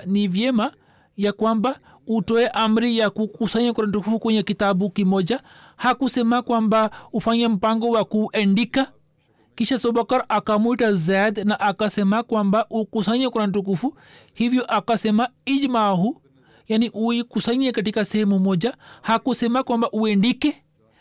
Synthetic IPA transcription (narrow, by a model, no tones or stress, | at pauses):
nivjɛma | jakwamba | utɔɛʔam̩ɾijakukusaɲakuɾan̩tukufukwɛɲɛkitabukimɔd͡ʒahakusɛmakwambaufaɲam̩paŋɡɔwakuʔɛndika | kiʃasɔbakaɾakamuitazad̪naʔakasɛmakwambaʔukusaɲɛkuɾan̩t̬uk̬ufu | hivjɔʔakasɛmaid͡ʒmahu | janiʔuikusaɲiɛkatikasɛhɛmumɔd͡ʒahakusɛmakwambaʔuɛndikɛ